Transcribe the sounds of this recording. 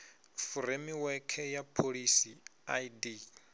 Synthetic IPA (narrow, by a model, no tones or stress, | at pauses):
fuɾemiwɛkʰɛjapʰoɺisiaidi